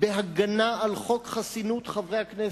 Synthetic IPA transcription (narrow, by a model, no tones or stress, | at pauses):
beɦaɡanaalχo̞kχasinut̪χavʁejhakne